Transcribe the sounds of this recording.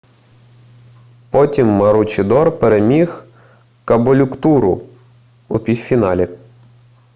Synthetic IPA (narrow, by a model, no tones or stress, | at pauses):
pɔtʲimːɐɾut͡ʃɪd̪ɔrpeɾemʲix | kɐbɔlʲʊkt̪uɾʊ̰ | upʲiwfʲinɑlʲi